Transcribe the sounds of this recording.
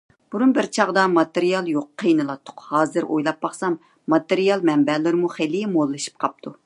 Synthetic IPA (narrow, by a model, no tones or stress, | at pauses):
b̥uɾunbɪɾt͡ʃʰɑʁd̪ɑmɑt̪eɾijɑlˠjoqːʰəjnɨlˠɑt̪ʰːʊ̥qhɑːzɨɾʔo̰jlˠɑp̚bɑχsɑmː | ɑt̪eɾijɑlˠmɛmbɛlɪɾmuχelimolˠːɨʃi̥p̚qʰɑp̚t̪ʰu